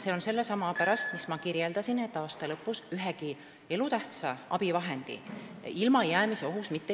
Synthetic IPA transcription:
seonse̞lːesɑmɑpæɾɑst̪mismɑkiɾjeld̪̥ɑsine̞t̪ːˑɑːst̪ɑlɤpːˑusyɦeki | e̞lut̪æht̪sɑɑ̰b̥ivɑɦe̞nd̪̥ḭ | ilmɑejæːmiseo̞ɦusmit̪ːe

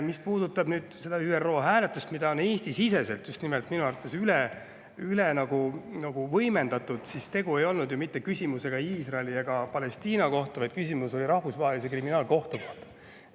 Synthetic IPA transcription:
mispuːd̪ut̪ːˑɑbnyːd̪̥se̞d̪ɑyːero̞ːɦæːle̞t̪ːˑust̪mid̪̥ɑone̞ːst̪isise̞se̞lt̪just̪nimelt̪minuɑɾrt̪ːˑesyle | ylenɑɡ̥unɑɡ̥uvɤjme̞nd̪ɑt̪ːˑud̪̥sist̪e̞ɡ̥ue̞jo̞lnud̪jumit̪ːe̞kysʲimuse̞ɡ̥ɑiːsrɑelieɡ̥ɑpɑle̞st̪iːnɑko̞ht̪ɑvɑjd̪̥̚kysʲimuso̞liɾɑhvusvɑːɦelisekriminɑːlko̞ht̪okoht̪ɑ̥

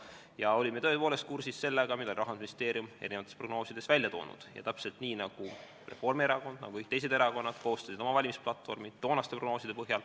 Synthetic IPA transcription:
jɑo̞lʲimet̪ɤepoːle̞st̪̚kursisse̞lːeɡ̥ɑmid̪̥oliɾɑɦɑnsminist̪eːɾiume̞ɾinevɑt̪espro̞ɡ̥no̞ːsid̪̥e̞svælʲjɑt̪o̞̰ːnṵd̪̥jɑ̰t̪æpse̞lt̪niːnɑɡ̥u | re̞fo̞rmeɾɑko̞nd̪̥̚nɑ̰ɡuik̚t̪e̞js̬e̞d̪e̞ɾɑko̞nːɑd̪̥ko̞ɦost̪ɑsid̪o̞mɑvɑlʲimisplɑt̪ːˑfo̞̰rmid̪̥o̞ːnɑst̪epro̞ɡno̞ːsid̪̥e̞pɤɦjɑl

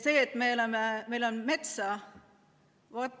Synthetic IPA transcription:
se̞ːt̪ːmelememe̞jlo̞nme̞t̪sɑ | vɑt̪

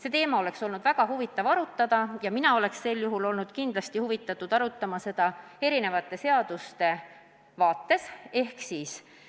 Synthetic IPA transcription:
se̞t̪e̞ːmɑo̞le̞kso̞lnud̪̥væɡ̥ɑɦuvit̪ːˑɑvɑɾut̪ˑːɑd̪̥ɑjɑminɑo̞le̞ksːe̞lːjuɦulo̞lnud̪̥kind̪lɑst̪ihuvit̪ːˑɑt̪ːˑud̪̥ɑɾut̪ːˑɑmɑse̞d̪̥ɑe̞ɾine̞vɑt̪ːˑe̞se̞ɑd̪̥ust̪e̞ | vɑːt̪ˑːe̞se̞hksiːs

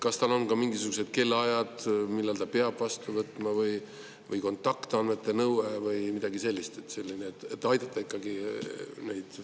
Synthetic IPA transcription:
kɑst̪ɑlo̞nkɑmiŋɡisuɡ̥use̞d̪̥̚ke̞lːeɑjɑd̪̥milːelt̪ɑpeɑb̥vɑst̪uvɤt̪ːˑmɑvɤj | vɤjko̞nt̪ˑːɑkt̪ɑnme̞t̪ːˑe̞nɤwevɤjmid̪̥ɑɡise̞lʲːist̪e̞t̪ːˑse̞lʲːineːt̪ːˑet̪ːɑjd̪ɑt̪ːˑɑikːɑɡine̞jd̪̥

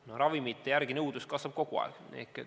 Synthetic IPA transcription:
norɑvimit̪ːejærɡ̥inɤwd̪̥uskɑsvɑb̥̚ko̞ɡ̥uɑ̰ḛknḛkːˑe

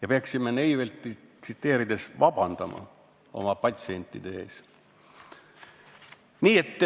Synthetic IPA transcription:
jɑpeɑksimːenejvelt̪ːisit̪ːe̞ːɾid̪̥e̞svɑb̥ɑnd̪̥ɑmɑ̰ | o̞̰mɑpɑt̪ʲsie̞nʲt̪ːˑid̪̥ee̞ːs | niːe̞t̪ːˑ

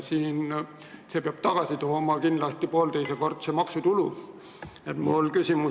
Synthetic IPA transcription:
siːn | se̞peɑb̥t̪ɑɡ̥ɑsit̪oːmɑkinlɑst̪ipoːlt̪ejseko̞rd̪̥semɑksut̪ulu | et̪mulkysʲimu

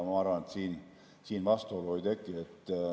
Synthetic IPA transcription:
mɑɑrʋɑnet̪siːn | siːnʋɑst̪oloid̪ekːiet̪ː

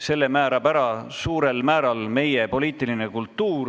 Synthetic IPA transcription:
se̞lːe̞mæːɾɑpæɾɑsuːɾe̞lmæːɾɑlme̞je̞po̞liːt̪ːˑiline̞kult̪ːuːr

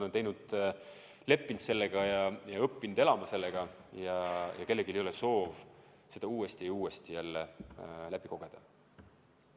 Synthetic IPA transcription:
nent̪e̞jnud̪̥ | le̞pːint̪se̞lːeɡ̥ɑjɑjɑɤpːind̪e̞lɑmɑse̞lːeɡ̥ɑjɑjʔɑ̰ke̞lːe̞ɡilejo̞leso̞ːv | se̞d̪ɑuːest̪iejuːest̪ijælːelæb̥iko̞ɡ̥e̞d̪̥ɑ

